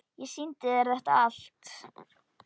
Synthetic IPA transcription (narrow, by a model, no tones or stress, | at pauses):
jɛsint̪ɪðɛɾðɛht̪aal̥t̪